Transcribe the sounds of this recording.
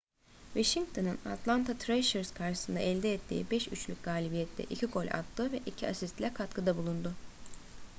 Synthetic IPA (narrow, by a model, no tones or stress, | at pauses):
vaʃiŋɡ̚t̪ʰonɯna̰t̪ʰlˠant̪ʰat̪ʰɾeʃeɾzkʰaɾʃɯ̥sɯnd̪a̰ʔɛlʲd̪ɛːt̪ʰːḭːbɛʃyt͡ʃlʲyc̚ʲɡaːlʲibijɛt̪ʰlɛ̰ʔicʰikʰo̞lʲa̰t̪ʰːɯːvɛʔicʰiasist̪lʲɛkʰat̪kʰɯd̪abulˠund̪ʊ